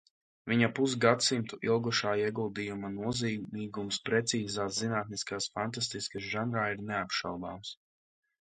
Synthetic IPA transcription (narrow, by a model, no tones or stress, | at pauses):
viɲapus̬ɡat̪simt̪uʔilˠɡuʃaːiɛɡulˠd̪ijumanuɔziːɡmiːɡumspɾɛt̪siːzaːszinaːt̪̚niskaːsfant̪ast̪iskas̬ʒanɾaːiɾneapʃawd̪aːms